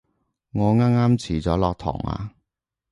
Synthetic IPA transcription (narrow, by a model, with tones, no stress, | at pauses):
ŋɔː˨˧ŋaː˥ŋaː˥mt͡sʰiː˨˩t͡sɔː˨˥lɔː˧k̚t̪ʰɔ̰ː˨˩ŋa̰ː˧